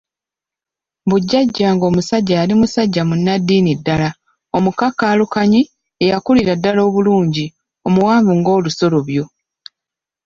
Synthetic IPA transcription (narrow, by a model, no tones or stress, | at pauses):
βuɟːaɟːaŋɡo̞musaɟːaːlimusaɟːamunːadːiːnidːala | o̞mukakːaːlukaɲi | ejakuliɾadːalo̞ːβuluːɲɟi | o̞muwaːvuŋɡo̞ːluso̞lo̞βjo̞